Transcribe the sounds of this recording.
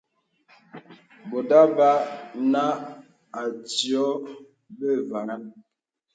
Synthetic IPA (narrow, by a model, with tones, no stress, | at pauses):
bo˨da˦ba˦na˦ | a˨tjɔ˦ | bə˦va˨ŋa˦n